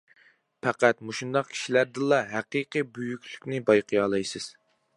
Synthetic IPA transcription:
pʰæqæt̪muʃund̪ɑqkʲʰi̥ʃilæɾd̪ɨlˠɑɦæqiqɨbøjykʲly̥kʲnɪbɑjqʰɨjɑːlˠɑjsɨz̥

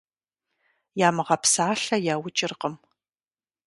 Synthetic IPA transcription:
jaːmɨʁɐpsaːɬɐjaːwʊt͡ʃʼɪrqəm

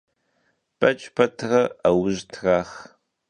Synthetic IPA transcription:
pʼɐt͡ʃʼpʰɐtʰrɐawʊʑtʰraːχ

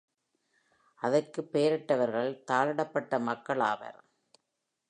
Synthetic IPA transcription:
ʔɐðɐrkɯpːeːɾɐʈːɐʋɐɾɣɐɭt̪aːlɐɽɐpːɐʈːɐmɐkːɐɭaːʋɐ̰ɾ

